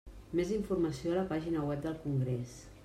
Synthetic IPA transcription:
meziɱfurməsioələpaʒinəwɛp̚d̪əlˠkuŋɡɾɛs

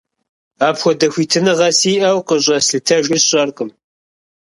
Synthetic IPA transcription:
aːpxʷɔdɐxʷiːtʰɨnɨʁɐsiːʔɐwqəɕʼɐsɨtʰɐʒɪsɕʼɐrqəm

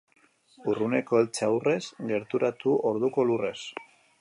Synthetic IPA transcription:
urune̞ko̞elt͡ʃeawre̞sɡe̞ɾt̪uɾat̪uo̞ɾðuko̞lure̞s

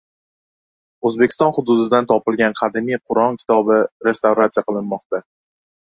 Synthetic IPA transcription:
ɵzbekʲɪ̥st̪ɒnhʊd̪ʊd̪ɪd̪ant̪ʰɒpɪlˠɡʲanqʰɑd̪ɪmijqʰʊɾɒŋkʲʰɪ̥t̪ʰɒbɪɾe̞st̪awɾat̪sijaqɨlˠɪnmɒqt̪a

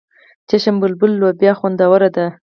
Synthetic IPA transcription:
t͡ʃeʃambʊlbʊlːobjɑxand̪awəɾad̪a

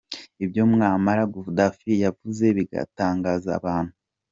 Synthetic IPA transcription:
ibjo̞mŋaːmaɾaɡuvudafijavuze̞βiɡa̰taːŋɡaza̰βaːn̥hu

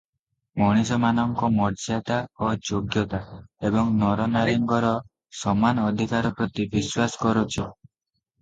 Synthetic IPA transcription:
mɔɽ̃isɔmanɔŋkɔmɔɾd͡ʒat̪aod͡ʒoɡjɔt̪aebɔŋnɔɾɔnaɾiŋɡɔɾɔ | sɔmanɔd̪ʱikaɾɔpɾɔt̪ibiswasɔ̥kɔɾot͡ʃʰi

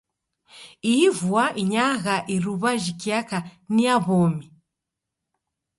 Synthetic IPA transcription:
iivuaʔiɲaɣaʔiɾuβaʒikiakaniaβɔmi

